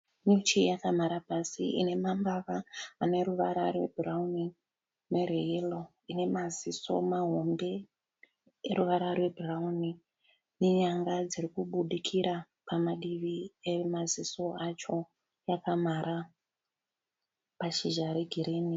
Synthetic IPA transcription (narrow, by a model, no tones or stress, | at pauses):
ɲut͡ʃijakamaɾapasḭʔḭne̞mambaʋaːne̞ɾuʋaɾarwe̞bʱurauni | mereɦilo | ine̞maziso̞̰maɦo̞mbe̞ | eɾuʋaɾarwe̞bʱurauni | neɲaŋɡad͡zirikuɓuɗikʰiɾa | pamaɗiʋiemaziso̞at͡ʃo̞ | jakamaɾa | paʃiʒaɾeɡʱiɾiːni